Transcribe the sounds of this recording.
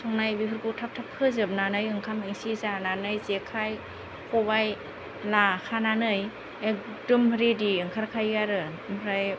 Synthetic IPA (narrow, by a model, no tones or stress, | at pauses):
sʰɔŋnajbipʰɯɾkutʰap̚tʰap̚kʰɯzɯp̚nanɯjɯŋkʰamiŋsizananɯjzekʰaj | kʰɔbaj | lakʰananɯj | ek̚ | dɯmɾediɯŋkʰaɾkʰajɡaɾɯ | mʰɾaj